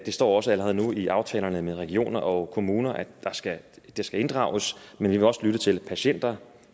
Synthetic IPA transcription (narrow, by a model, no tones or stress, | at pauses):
d̥e̝sd̥ɒ̰ːɒ̽səæləʁɛðˠnuiʔɑ̈ʊt͡sʰɛ̰ːlɐnəmeðˠʁɛɡ̥io̝̰ːnɐʔɒ̽kʰo̝muːnɐʔæd̥ɑ̈sɡ̥æ | d̥e̝sɡ̥æe̝nd̥ʁɑ̈ʊəsmenʋiʋe̝ɒ̽səlyɾ̥ət͡sʰe̝lpʰæɕen̰d̥ɐ